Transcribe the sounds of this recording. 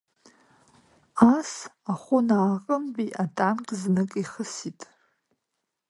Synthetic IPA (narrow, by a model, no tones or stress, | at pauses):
asaχʷʊnaːqʼəmbiʔatʼamkʲʼznɨkʼiχəsitʼ